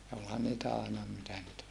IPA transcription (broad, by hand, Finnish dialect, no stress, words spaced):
jɑ olhɑn niːtæ ɑˑenɑ mitæ niːt